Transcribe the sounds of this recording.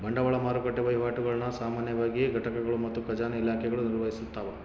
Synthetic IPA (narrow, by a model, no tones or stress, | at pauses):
bɐɳɖɐʋɐɭɐmaːɾukɐʈːeʋɐjʋaːʈuɡɐɭɐnɐsaːmaːnjɐʋaːɡijeɡʱɐʈɐkɐɡɐɭumɐt̪ːukɐd͡ʒaːnɐilaːkʰɛɡɐɭuniɾʋɐɦisut̪ːaːʋɐ